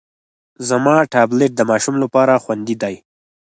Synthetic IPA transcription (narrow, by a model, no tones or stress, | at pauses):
zamɑʈɑbleʈ̚d̪əmɑʃumlapɑɾaxwand̪id̪aj